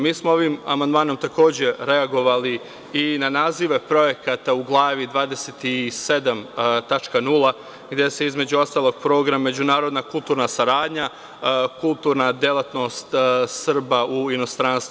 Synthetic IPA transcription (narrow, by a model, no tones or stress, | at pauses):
miːsmo̞o̞ʋiːma̰mand̪maːno̞mt̪ako̞ːd͡ʑe̞ɾe̞aɡo̞ʋali | inanaːziʋe̞pɾo̞je̞kat̪auɡlˠaːʋid̪ʋaːd̪e̞set̪ise̞d̪amt̪at͡ʃkanulˠa | ɡd̪je̞se̞izme̞d͡ʑuo̞st̪aːlˠo̞ɡ̚pɾo̞ːɡɾamaːe̞d͡ʑunaːɾo̞d̪nakulˠt̪uːɾnasaɾaːd̪ɲa | kulˠt̪uːɾnad̪jelˠat̪no̞st̪sr̩bauino̞st̪ɾaːnst̪u